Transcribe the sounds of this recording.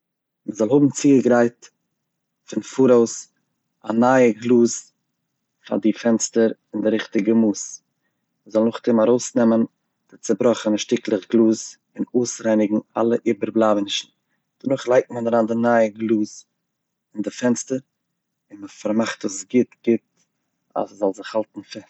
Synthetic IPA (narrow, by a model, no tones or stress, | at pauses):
məzɔlˠhʊbm̩t͡siːəɡɾaɪt | fɪnfuɾoʊs | a̰naəɡlˠuːs | fa̰dɪfɛnstəɾɪndɪɾɪχtɪɡəmuːs | məzɔlˠnʊχtʰɪmaɾoʊsnɛmən | d̥ɪt͡səbɾɔχənʃtɪklˠəχɡlˠuːs | ɪnuːsɾaɪnɪɡŋ̩a̰lˠəʔiːbəɾblˠavənɪʃn̩ | d̥ənʊχlˠaɪk̚tm̩anəɾandɪnaɪəɡlˠuːs | ɪndɪfɛnstəɾ | ɪnməfaɾmaχtəsɡɪtɡ̥ɪt̚ | a̰szɔlˠzɪχhalˠtn̩fɪ